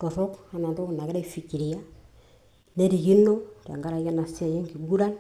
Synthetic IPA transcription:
to˨sɔ˦ka˨˦na˨nto˦˨na˨kɪ˦ɾe˦fi˨kːi˨ɾi˨ja˦ | ne˦ɾi˨ki˦nːo˦ɾa̰˨ŋɡa˦ɾa˨ja˦na˨si˦a˨je˦ŋki˨ɡu˦ɾa˦n

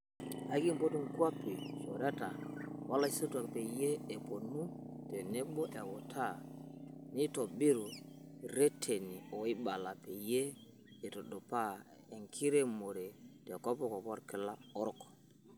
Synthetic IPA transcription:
a˨˦ki˦m̩˨po˦tu˦ŋ̩˨ku˦a˦pe˨o˨ɾɛ˦ta̰˨wa˦la˦i˦so˦tu˦a˨kpe˨je˦e˨po˨nu˦tɛ˨ne˦bɔ˦ʔɛ˨wɔ˨tʰa˦ | ni˦tɔ˨bi˦ɾu˨ɾe˦tʰe˨ni˨ɔ˨i˦ba˨la˨pe˨jeː˦˨ | to˨do˨pa˦ | e˨ŋkʰi˦ɾe˦mo˨ɾe˨tɛ˨kɔ˦pɔ˦kɔ˨pɔ˦ɾkɪ˨˦la˦ɔ˦ɾɔ˦˨k

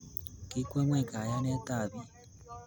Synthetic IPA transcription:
ki˦kʷe˦ŋʷe˦˨ka˨ja˦ne˦ta˦˨bi˦

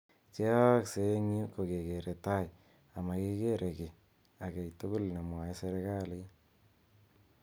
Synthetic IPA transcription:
t͡ʃe˦kse˦ŋɲu˦ko˨ke˨ke˨ɾe˨ta˦j | a˨ma˨ke˦ke˦ɾʔe˨ke˨ | a˨kɛ˨jto˦ko˦lne˨mwa˨e˦se˦ɾe˦ka˦˨le˦

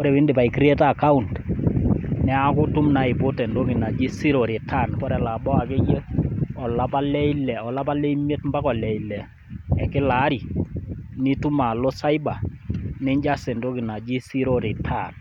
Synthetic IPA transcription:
kɔ˦ɾɛ˨bɪ˦nde˨pa˨i˨kɾi˦ɛ˦ta˦˨ka˦u˨nt | nɛ˦a˦kʊ˦tʊ˦mna˨ɪ˨po˦tɛ˨ndo˦kɪ˨na˨d͡ʒi˦si˦ɾɔ˨ɾi˨tʰa˦˨nkɔ˦ɾɛ˨la˨bɔ˦a˨ke˦je˦ɔ˨la˦pa˦lɛ˦i˦lɛ˨ɔ˨la˦pa˦le˦i˦mje˦tmba˦kɔ˨lɛ˨i˨lɛ˨ | ɛ˨kɪ˦la˨˦ɾi˨ | nɪ˦tu˦ma˨lo˦sa˦i˦ba˨nɪ˦ɲd͡ʒa˦se˨ndo˦ki˨na˨d͡ʒi˦si˦ɾo˦ɾi˨tʰa˦˨n

